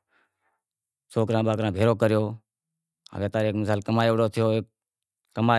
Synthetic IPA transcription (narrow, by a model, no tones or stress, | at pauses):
soːkɾãːɓaːkɾãːbʱeːɾoːkəɾjoː | ə̰ɡeːt̪aːɾeːkmɪs̬aːlkəmaːjoːʋɽoːt̪ʰɪjoːeː | kːəmaː